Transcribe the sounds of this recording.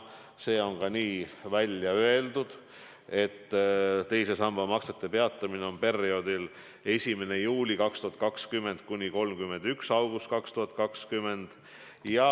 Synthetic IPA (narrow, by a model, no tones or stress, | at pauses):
se̞ːo̞ŋkɑniːvælʲjɑøe̞ld̪̥ud̪̥ | e̞t̪ːt̪e̞jse̞sɑmbɑmɑkset̪ːe̞pe̞ɑt̪ːˑɑmine̞o̞npe̞rːio̞d̪̥il | e̞sʲime̞ne̞juːlʲikɑkst̪uɦɑt̪̚kɑkskymːe̞nd̪̥̚kunʲiko̞lmkymːe̞nd̪yksɑwɡ̥ust̪̚kɑkst̪uɦɑt̪̚ˑkɑkskymːe̞nd̪̥ | jɑ